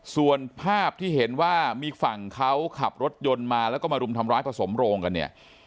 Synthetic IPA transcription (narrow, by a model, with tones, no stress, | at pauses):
su˨˩ənpʰaː˥˩p̚t̪ʰiː˥˩ɦe˩˦nwaː˥˩miː˧fa˨˩ŋkʰa˦˥wkʰa˨˩p̚ɾo˦˥t̪̚jo˧nmaː˧lɛ˦˥wkɔː˥˩maː˧ɾu˧mt̪ʰa˧mɾaː˦˥jpʰɾa˧so˩˦mɾoː˧ŋka˧nːi˥˩ɐ